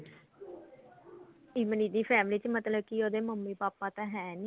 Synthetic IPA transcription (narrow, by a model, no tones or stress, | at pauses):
iːməniːd̪iːpʰɛːmliːt͡ʃmət̪ləb̚kioːd̪eːməmːiːpaːpãːt̪ãːɦɛ̃ːni